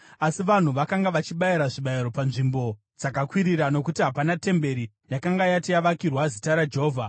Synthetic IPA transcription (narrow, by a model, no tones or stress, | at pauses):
asiʋan̤uʋakaŋɡaʋat͡ʃiɓaiɾaʐiɓaiɾo̞panʐimbo̞ | d͡zakakwiɾiɾano̞kutiɦapanate̞mbe̞ɾi | jakaŋɡajatijaʋakirwazitaɾad͡ʒeɦoːvʱa